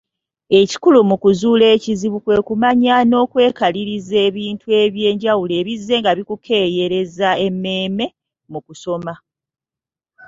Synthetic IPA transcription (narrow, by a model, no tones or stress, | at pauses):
e̞ci̥kulumukuzuːle̞ːciziβukwe̞ːkumaɲano̞ːkwe̞ːkaliɾize̞ːβiːntʰue̞βje̞ːɲɟawule̞ːβizːe̞ŋɡaβikukʰe̞ːje̞ɾe̞zae̞mːe̞ːme̞ | mukuso̞ma